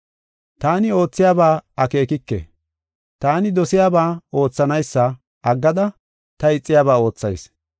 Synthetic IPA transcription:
t̪aːnɪo̞ːt͡sːɪjaːbaːɐke̞ːkɪkːḛ | t̪aːnɪd̪ɔsɪjaːbaːo̞ːt͡sːɐnɐjsːɐ | ɐɡːɐd̪ɐ | t̪ɐɪt͡sʼːɪjaːbaːo̞ːt͡sːɐ̰js

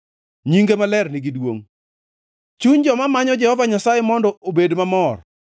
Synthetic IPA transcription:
ɲiŋɡemalɛrniɡidwo̰ŋ | t͡ʃuɲd͡ʒɔmamaɲɔd͡ʒɛhɔvaɲasajemɔndɔobedmamɔr

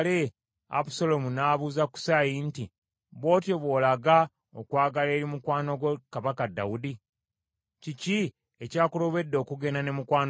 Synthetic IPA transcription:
le | a̰pusolo̞munaːβuzaku̥sajinti | βo̞ːtjoβwoːlaɡa | okwaːɡale̞ːɾimukwaːno̞ɡwekaβakadːa̰wudi | cici | ecaːkuloβe̞dːo̞ːkuɡe̞nane̞mukwaːn

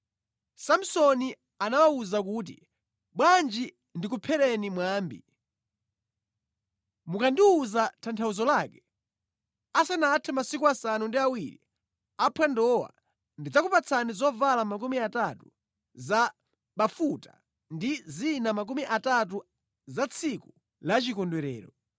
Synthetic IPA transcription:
sam̩sɔni | anawauzak̬uːt̬ḭ | ɓwand͡ʒi | ndikupʰɛɾɛnimwaːmbḭ | mukandiuzatʰantʰauzɔlaːkɛ | asanatʰɛmasikuasanundiawiɾḭ | apʰwɛndɔwa̰ | ndid͡zakupat͡sʰanizɔvalamak̬umiatatu | za | ɓafuta | ndizinamak̬umiʔatat̬u | zat͡sʰiku | lat͡ʃikɔndwɛɾɛ̰ːɾɔ

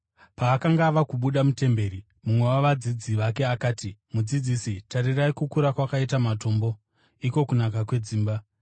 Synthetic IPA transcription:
paːkaŋɡaːʋakuɓuɗamute̞mbe̞ːɾi | mumwe̞waʋad͡zid͡ziʋake̞akaːtimud͡zid͡zisitaɾiraikukuɾakwakaitamato̞ːmbo̞ | iko̞kunak̬akwe̞d͡ziːmba

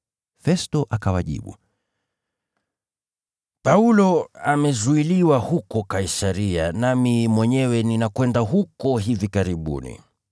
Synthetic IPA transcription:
fɛstɔʔakawaʄḭɓṵ | paulɔamɛzuiliwahukɔkaisaɾia̰namimwɛɲɛwɛninakwɛndaɦukɔɦivikaɾiɓṵnḭ

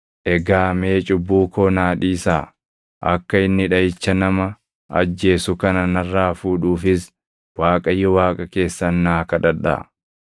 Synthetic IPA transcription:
ʔɛɡaːmeːt͡ʃʼʊbːuːkoːnaːᶑiːsaː | ʔɐkːɐɪnːɪᶑɐɪt͡ʃːɐnɐmɐ | ɐd͡ʒːe̞ːsʊkɐnɐnɐrːaːfuːᶑuːfɪs | waːkʼɐjːɔwaːkʼɐke̞ːsːɐnːaːkɐᶑɐᶑa̰

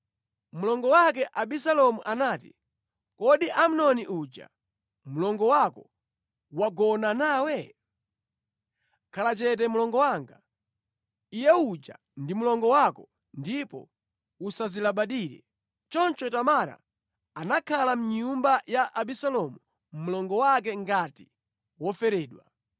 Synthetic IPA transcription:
mulɔŋɡɔwak̬ɛʔaɓisalɔmuʔanaːtḭ | kɔɗiʔam̩nɔniʔud͡ʒa̰ | mulɔŋɡɔwakɔ | waɡɔnanaːwɛ | kʰalat͡ʃɛt̬ɛmulɔŋɡɔwaŋɡa | ijɛud͡ʒa̰ | ndimulɔŋɡɔwakɔ | ndipɔ̰ | usazilaɓaɗiɾɛ̰ | t͡ʃɔnt͡ʃɔtamaɾa̰ː | nakʰalam̩ɲumbajaʔaɓisalɔmu | mulɔŋɡɔwak̬ɛŋɡati̥ | wɔfɛɾɛːɗwa

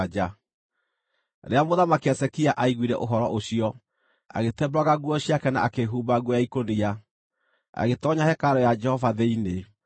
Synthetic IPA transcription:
d͡ʒa | ɾeamoðamakeɛsɛkiaʔaiɣwiɾɛʔoɦɔɾɔʔoɕiɔ | a̰ɣetɛbɾwaɣaɣwɔɕiakɛna̰akeɦuːbaɣwɔjaikonia | a̰ɣetɔɲahɛkaɾɔjad͡ʒɛhɔvaðɛine

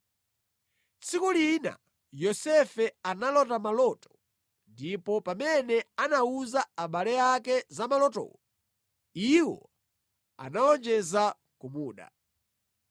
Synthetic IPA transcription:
t͡sʰikulina̰ | jɔsɛfɛanalɔtamalɔtɔ̥ | ndipɔpamɛnɛanauzaaɓalɛakɛzamalɔtɔ̰wɔ | iwɔ̰ | a̰naɔnd͡ʒɛza | kumuːɗa̰

